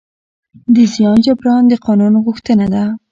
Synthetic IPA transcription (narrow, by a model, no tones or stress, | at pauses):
d̪əzijɑnd͡ʒabɾɑnd̪əqɑnunɣuxt̪ənad̪a